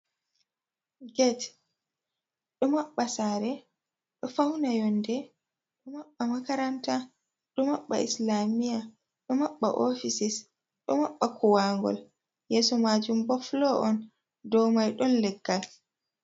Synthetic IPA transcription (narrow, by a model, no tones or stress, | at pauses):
ɡɛt | ɗɔmaɓːasaːɾɛ | ɗɔfawnajɔndɛ | ɗɔmaɓːamakaɾanta | ɗɔmaɓːa̰ʔislamija | ɗɔmaɓːa̰ʔofisis | ɗɔmaɓːakʰɔwaŋɡɔ̰l | jɛːsɔmaːd͡ʒumbɔflɔʔɔn | dɔwmajɗɔnlɛɡːal